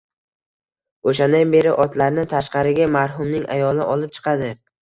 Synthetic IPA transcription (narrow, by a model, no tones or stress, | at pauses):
oʃand̪anbe̞ɾɪʔɒt̪ʰlaɾnɪt̪ʰaʃqɑɾɪɡʲamaɾɦʊmnɪŋa̰jɒlnɪ̰ʔɒlˠɪp̚t͡ʃʰɨ̥qʰɑd̪ɪ